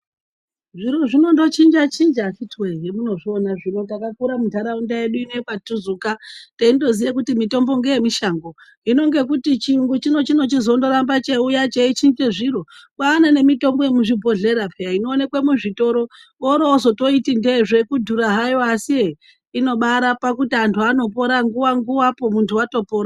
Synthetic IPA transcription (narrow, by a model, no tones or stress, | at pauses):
ʐiɾoʐino̞ndo̞t͡ʃind͡ʒat͡ʃind͡ʒaʃitweɦemuno̞ʐionaʐino̞takakuɾamudʱaɾaundaje̞ɗuineepatuzukateindo̞zijek̬utimito̞mbo̞ŋɡeje̞miʃaŋɡo̞ | ino̞ŋɡe̞k̬utit͡ʃiuŋɡut͡ʃino̞t͡ʃino̞t͡ʃizo̞ndo̞ɾambat͡ʃeujat͡ʃeit͡ʃind͡ʒeʐiɾo̞kaːnane̞mito̞mbo̞jemuʐibʱo̞ɮe̞ɾapʰeaino̞ːnekwe̞muʐito̞ɾo̞ | oɾoozo̞to̞itindeʐe̞kudʱuɾaɦajoasie | ino̞ɓaɾapakutiantʰuano̞po̞ɾaŋɡuwaŋɡuwapo̞muntʰuwato̞poːɾa